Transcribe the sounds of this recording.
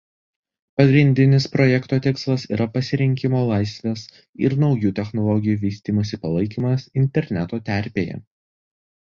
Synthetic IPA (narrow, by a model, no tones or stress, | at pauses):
pɐɡɾʲɪnʲd̪ʲɪnʲɪspɾɔjɛkt̪oːt̪ʲɪkslˠɐsḭːɾʔɐpɐsʲɪɾʲɪŋʲkʲɪmoːlˠɑˑɪsʲʋʲeːs | ɪ̰ɾnɒʊjuːt̪ʲɛxnɔlˠɔɡʲɪjuːʋʲiːsʲt̪ʲiːmɐsʲɪpɐlˠɐɪkʲiːmɐsɪnʲt̪ʲɛɾʲnʲɛt̪oːt̪ʲæˑɾʲpʲeːjɛ̰